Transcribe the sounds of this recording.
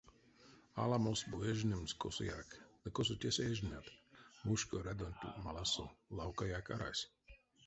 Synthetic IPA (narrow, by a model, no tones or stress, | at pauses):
a̰lamosbujɛʒnʲimskosuja̰kləkosut̪ʲɛseʒnat̪muʃkɔɾɛd̪onʲt̪ʲṵmalasṵlawkajaka̰ɾa̰sʲ